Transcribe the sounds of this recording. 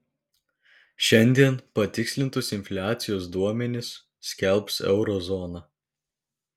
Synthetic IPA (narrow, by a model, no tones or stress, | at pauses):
ʃʲɛnʲd̪ʲiɛnpɐt̪ʲɪksʲlʲɪnt̪ʊsɪnʲfʲlʲæːt̪sʲɪjoːsd̪uɔmʲɛnʲɪsːʲ | kʲɛlʲˠpsɛ̰ʊɾɔzɔnɑː